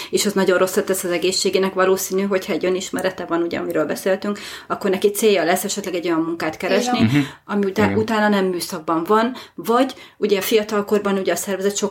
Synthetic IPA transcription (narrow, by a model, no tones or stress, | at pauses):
eːʃɛznɒɟo̞nro̞sːɛt̪ːɛsːɒzɛɡeːʃːeːɡeːnɛkvɒloːsiːnyɦo̞chɒɛɟøniʃmɛɾɛt̪ɛvɒnuɟɛ̰ɒ̰miɾøːlbɛseːlt̪yŋkɒkːornɛkit̪seːjːɒlɛsːɛʃɛt̪lɛɡɛɟːo̞jɒmːuŋkaːt̪kɛɾɛʃniɒmiut̪aːnɒnɛmːyːsɒɡ̚bɒɱvɒnvɒɟuɟɛɒfijɒt̪ɒlko̞rbɒnuɟɛːsɛrvɛzɛt̪ʃo̞